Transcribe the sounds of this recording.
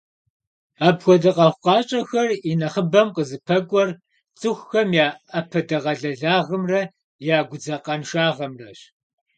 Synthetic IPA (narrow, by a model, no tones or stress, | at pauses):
aːbxʷɔdɐqɐχʷqɑːɕʼɐxɐrinɐχəbɐmqəzɨpʰɐɡʷʼɔr | t͡sʼɨxʷːxɐmjaːɐpʰɐdɐʁɐɮɐɮaːʁəmrɐ | jaːɡʷʊd͡zɐqɐnʃaːʁɐmrɐɕ